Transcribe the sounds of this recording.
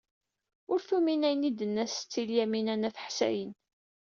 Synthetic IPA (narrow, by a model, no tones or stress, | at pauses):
ʊɾθuminæjənid̪ənːæst͡sːiljæminænæθə̥ħsæ̰jən